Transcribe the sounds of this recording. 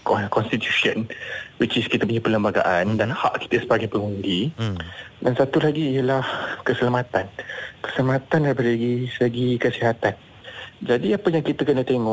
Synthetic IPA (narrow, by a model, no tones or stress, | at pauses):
kɔkɔnst̪it̪jusiənwit͡ʃiskit̪əp̬uɲapələmbaɡa̰ʔandanha̰ʔki̥t̪əsəbaɡajpəŋundi | dansat̪ulaɡiːjəlahkəsəlamat̪ankə̥səlamat̪anbəɾlaɡisəɡikəsiɦat̪an | d͡ʒadiapajaŋkit̪əkənət̪eŋɔʔ